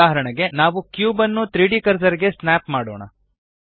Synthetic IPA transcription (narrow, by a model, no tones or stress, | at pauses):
aːɦɐɾɐɳɐɡe̞naːʋukjuːbɐnːut̪ɾiːɖikɐɾsɐɾiɡe̞snaːpmaːɽo̰ːɳɐ̰